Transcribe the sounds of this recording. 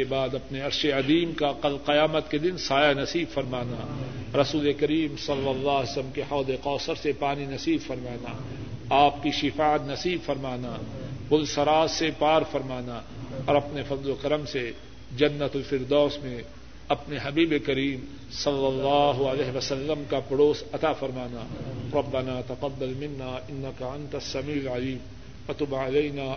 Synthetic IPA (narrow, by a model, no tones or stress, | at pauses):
ebaːd̪ɐpneɐɾʃeɐd̪iːmkaqɐlqɐjaːmət̪ked̪ɪnsaːjanɐsiːbfɐɾmaːnaɾɐsuːlekɐɾiːmsɐlːɐlːaːsmkehɔːd̪eqɔːsəɾsepaːninɐsiːbfɐɾmaːna̰ | aːp̚kiʃɪfaːət̪nɐsiːbfɐɾmaːnabʊlsɐɾaːsepaːɾfɐɾmaːna | ɔːɾɐpnefɐzlokɐɾəmse | d͡ʒɐnːɐt̪ʊlfɪɾd̪ɔːsmẽ | ɐpneɦɐbiːbekɐɾiːm | sɐlːɐlːɑːɦʊɐlɛːɦeʋɐsɐlːəmkapɪɽoːsɐt̪afɐɾmaːnaːɾˤɐbːɐnaːt̪ɐfɐd̪ːɐlmɪnːaːɪnːɐkaɐ̃nt̪ɐsːɐmiːlʕɐliːm | fɐt̪ʊbalɐjnaː